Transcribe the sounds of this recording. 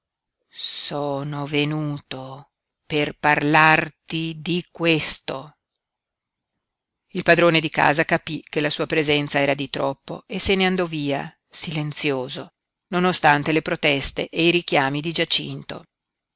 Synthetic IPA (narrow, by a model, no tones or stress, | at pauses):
soːnovenuːt̪o | perparlart̪id̪ikwest̪o | ilpad̪ɾoːned̪ika̰ːzakapikelasuːapɾezɛnt̪saɛːɾad̪it̪ɾɔpːo̰eseneand̪ɔviːa | silent̪sjoːzo | nonost̪ant̪elepɾot̪ɛst̪ḛʔeiɾik̟jaːmid̪id͡ʒat͡ʃḭnt̪o̰